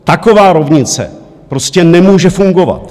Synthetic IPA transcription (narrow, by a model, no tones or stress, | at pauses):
t̪ako̞vaːɾo̞vɲɪt͡sɛ̰ | pɾo̞scɛnɛmuːʒɛfuŋɡo̞va̰t̪